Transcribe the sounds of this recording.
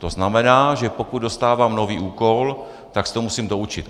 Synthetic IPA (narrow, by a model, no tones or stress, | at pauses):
t̪oznamɛnaːʒɛpo̞kud̪do̞st̪aːvaːmno̞viːʔuːko̞l | t̪akst̪omusimd̪o̞ut͡ʃɪt̪